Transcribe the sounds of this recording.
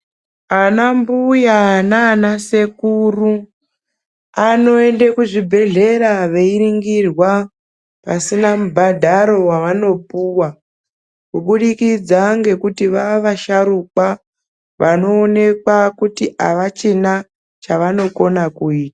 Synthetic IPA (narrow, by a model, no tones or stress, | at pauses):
anambujanaːnasekuru | ano̞e̞ndekuʐibʱe̞ɮe̞ɾaʋe̞iɾiŋɡirwa | pasinamubʱadʱaɾo̞waʋano̞puwa | kuɓuɗikid͡zaŋɡe̞kutiʋaʋaʃaɾukwa | ʋano̞ːne̞kwakutiaʋat͡ʃina | t͡ʃaʋano̞ko̞nakuiːtḁ